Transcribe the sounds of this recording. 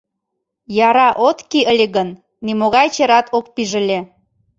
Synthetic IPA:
jɑɾɑʔot̪kiʔəlʲeɣənː | imoɣɑjt͡ɕeɾɑt̪ʰok̚piʒə̆lʲe

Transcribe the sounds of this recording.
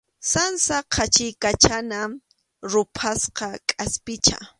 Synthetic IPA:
sansaqʰat͡ʃɪjkat͡ʃana | ɾʊpʰasqɑkʼaspɪt͡ʃa̰

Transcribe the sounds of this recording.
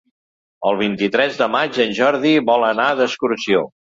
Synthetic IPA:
əlˠβ̞int̪it̪ɾɛzd̪əmad͡ʒənʲʒɔɾðiβɔlˠənaðəskuɾsio

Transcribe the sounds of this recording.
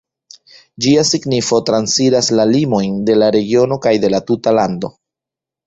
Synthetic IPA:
d͡ʒiasiɡnifo̞tɾansiɾaslalimo̞jnde̞laɾe̞ɡio̞no̞kajde̞latutalando̞

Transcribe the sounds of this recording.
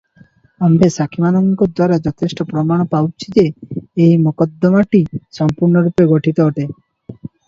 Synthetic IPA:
ambesakʰimanɔŋkɔd̪waɾad͡ʒɔt̪ʰesʈɔpɾɔmaɽ̃ɔpawt͡ʃʰid͡ʒeːjimukɔd̪ːɔmaʈisɔmpuɾɳɔɾupeɡɔʈʰit̪ɔoʈe

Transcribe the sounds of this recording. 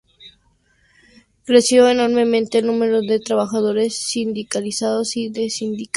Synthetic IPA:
kɾe̞sjo̞eno̞ɾme̞mẽ̞nt̪eːlnũme̞ɾo̞ðe̞t̪ɾaβaxað̞o̞ɾe̞sːind̪ikalisaðo̞siðe̞sind̪ik

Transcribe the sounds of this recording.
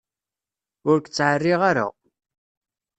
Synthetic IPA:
ʊɾkt͡sːʕərːiʁaɾa̰

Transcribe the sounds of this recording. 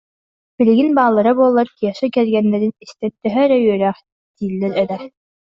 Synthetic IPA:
b̥iliɡinbaːlˠːaɾabuɔlˠːaɾkijɐsɯkɛɾɡɛnːɛɾinist̪ɛnt̪ːœɦœɾɛjyœɾæːχ | d̪iːlːɛɾɛɾɛ

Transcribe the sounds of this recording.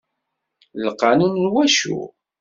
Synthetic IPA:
ləqːɑnənlwæʃṵ

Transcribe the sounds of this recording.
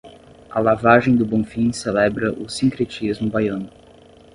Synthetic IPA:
ɐlavaʒẽj̃d̪ʊbõfĩselɛbɾɐʔʊsĩŋkɾet͡ʃizmʊbajɐ̃nʊ

